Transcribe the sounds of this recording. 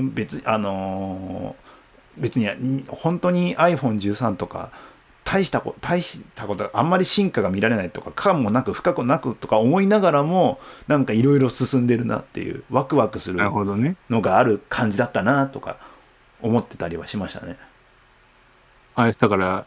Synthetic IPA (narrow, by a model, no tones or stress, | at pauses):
be̞t͡sɨɲiʔano̞ | be̞t͡sɨɲ̟iɲhõ̞nt̪o̞ɲ̟iaiɸõ̞ɲ̟d͡ʑɨːsãnt̪o̞ka̰ | t̪ʰaiɕi̥t̪akot̪ʰaiɕi̥t̪ako̞t̪oʔã̰mːaɾʲiɕĩŋkaɡamʲiɾaɾe̞nait̪o̞kakʰamːo̞nakɯ̟ɸɯ̟̥kakɯnakɯ̟t̪o̞kaomo̞inaɡaɾamo̞nãŋkaiɾo̞iɾo̞sɨsɨ̃nd̪e̞ɾɯ̟na̰t̪ːe̞̰jɯ̰ːβakɯ̟βakɯ̟sɨɾɯɯhod̪oneno̞ɡaːɾɯ̟kʰãɲ̟d͡ʑid̪at̪ːanat̪o̞ka̰ | o̞mo̞t̪ːe̞̥t̪aɾʲiβa̰ɕimaɕi̥t̪a̰ne̞ | asd̪akaɾa